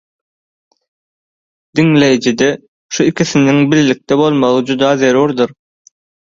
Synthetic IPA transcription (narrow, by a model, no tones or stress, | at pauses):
d̪̥iŋle̞jd͡ʒid̪e | ʃuikʲʰiθiniŋbilːik̚t̪ebo̞lˠmɑlˠɯd͡ʒud̪ɑːðe̞ɾuɾd̪ɯɾ